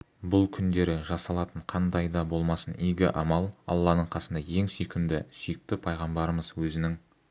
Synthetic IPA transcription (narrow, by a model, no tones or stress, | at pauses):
bʊlˠkʲʰʏnd̪e̞ɾɪʒɑsɑlˠɑt̪əɴqʰɑnd̪ɑjd̪ɑbo̞lˠmɑsənijɡʲɪ̰ʔɑmɑlˠɑ̰lˠːɑnəɴqʰɑsənd̪ɑje̞ŋsikʲɪmd̪ɪsijɪk̚t̪ɪpʰɑjʁɑmbɑɾəməzwɵzɪnɪŋ